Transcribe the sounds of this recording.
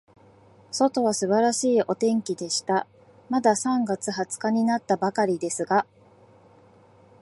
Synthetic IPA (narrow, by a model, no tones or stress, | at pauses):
so̞t̪o̞β̞asɨbaɾaɕiːʔo̞t̪ẽ̞ŋkʲid̪e̞ɕi̥t̪a | mad̪asãŋɡat͡sɨhat͡sɨ̥kaɲ̟inat̪ːabakaɾʲid̪e̞sɨɡa